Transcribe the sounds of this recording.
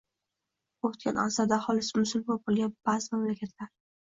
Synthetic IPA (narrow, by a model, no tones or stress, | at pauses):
ot̪kʲʰa̰na̰saɾd̪ahɒlɪsɪmʊsʊlbɒl̚bolˠɡʲanb̥azɪmamlakʲʰat̪ʰlaɾ